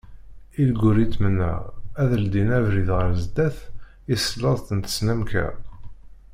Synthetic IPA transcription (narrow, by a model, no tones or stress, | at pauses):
ilɡʊɾit͡s̪ːmənæ̰ʁæðəld̪inævɾiðʁəɾzd̪æθ | isələðˤθənt̪ə̥snæmkæ̰